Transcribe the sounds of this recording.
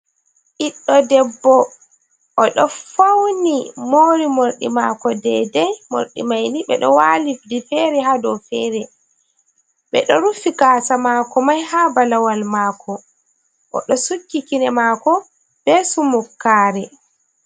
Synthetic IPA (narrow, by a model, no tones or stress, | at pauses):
ʔiɗːɔdɛbːɔ | ʔɔɗɔfawnimoːɾimoɾɗḭmakɔdɛ̰dɛmo̰ɾɗḭmajniɓɛ̰ɗɔ̰walifdifɛɾɛɦadɔfɛːɾɛ | ɓɛɗɔɾufikaːsamaːkɔmajhaːbalawalmaːkʰɔ | ʔɔ̰ɗɔsukːikinɛmaːkɔ | b̥ɛsumukːaːɾɛ